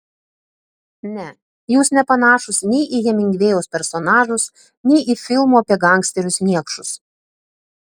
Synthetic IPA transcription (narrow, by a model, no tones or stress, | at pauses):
nʲɛ | juːsnʲɛpɐnɑːʃʊsnʲɛɪʔijɛmʲɪŋʲɡʲʋʲeːjoːspʲɛɾsɔnɑːʒʊs | nʲɛɪʔɪfʲɪlˠmoːɐpʲɛɡɑˑŋksʲt̪ʲɛɾʲʊsnʲiɛkʃʊs